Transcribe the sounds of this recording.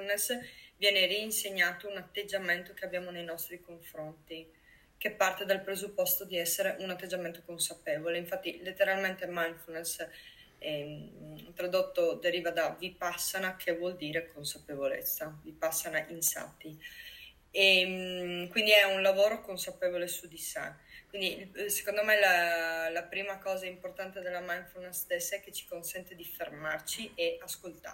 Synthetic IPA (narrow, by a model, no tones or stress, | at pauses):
unːesvjɛːneriːnseɲːaːt̪ounat̪ːed͡ʒːament̪ok̟eabjaːmonejnɔst̪ɾikoɱfɾont̪i | kepːart̪ed̪alpɾezupːɔst̪od̪iɛsːeɾeʔunat̪ːed͡ʒːament̪okonsapevoleiɱfat̪ːilet̪ːeɾalment̪emajnfunes | ɛ | t̪ɾad̪ot̪ːod̪eɾiːvad̪avipasːanakʰevwɔld̪iːɾekonsapevolḛt̪sːavipasːanaʔinsa̰ːt̪i | e | kwind̪iɛunlavoːɾokonsapeːvolesud̪isa̰kːwind̪ise̥kond̪omelalapɾiːmakɔːzaimport̪ant̪ed̪elamajnfunesd̪ɛsːɛk̟ːet͡ʃi̥konsɛnt̪ed̪ifermart͡ʃieaskolt̪a̰